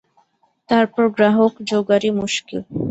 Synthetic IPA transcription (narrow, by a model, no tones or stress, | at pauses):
t̪aɾpoɡɾaɦokd͡ʑoɡaɾimuʃkḭl